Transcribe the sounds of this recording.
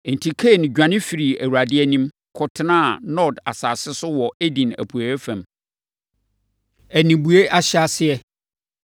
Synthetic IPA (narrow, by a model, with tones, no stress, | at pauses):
n˨tʰi˨kʰe˦˨nɪ̃˨ɟᶣã˨nɪ̃˦fi˨ɾi˨æ˨wu˨ɾa˨dɪ˦ɛ˦nĩ˦m | kʰɔ˨tʰɪ˦nã˦˨nɔ˦˨da̰˨saː˨sɪ˦sʊ˦wɔ˨e˦dĩ˨næ̰˨pʰu˨æ˨ɛ˦fæ̃˨m | æ˨nĩ˨bu˨e˦ʔa˦ɕɪ˦a˦sɪ˦ɛ˦˨